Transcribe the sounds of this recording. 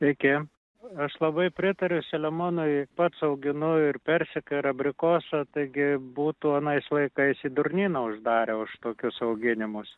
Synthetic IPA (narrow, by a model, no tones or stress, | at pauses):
ɪkʲɪ | ɐʃlˠɐbɐɪpʲɾʲɪt̪ɐɾʲʊsʲɛlʲɛmonʊɪpɐt̪sɐʊɡʲɪnʊɪrpʲɛrʲsʲɪkɐɪɾɐbʲɾʲɪkoːsɐt̪ɐɪɡʲɪbuːt̪uːɐnɐɪslˠɐɪkɐɪsiːd̪ʊrʲnʲiːnɐʊʒd̪ɑːɾʲeʊʃt̪oːkʲʊsɐʊɡʲɪnʲɪmʊs